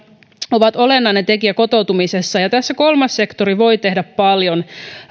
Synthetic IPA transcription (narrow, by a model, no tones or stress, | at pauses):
o̞ʋɑt̪o̞lenːɑinet̪e̞kiæko̞t̪o̞wt̪umisesːɑjɑt̪æsːæko̞lmɑsːe̞kt̪oɾiʋo̞jt̪e̞ɦdæppɑljo̞n